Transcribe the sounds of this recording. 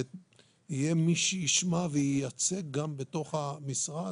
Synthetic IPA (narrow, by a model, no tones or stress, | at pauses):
ijemiʃejiʃmaveijat͡se̞ɡ̚ɡambe̞to̞χamisʁa